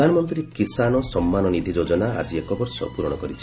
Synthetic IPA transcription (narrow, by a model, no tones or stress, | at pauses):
anɔmɔnt̪ɾiɾekisanɔsɔmːanɔnid̪ʱid͡ʒod͡ʒɔnaa̰d͡ʒiekɔbɔɾsɔ̰puɾɔɽ̃ɔkɔɾit͡ʃʰ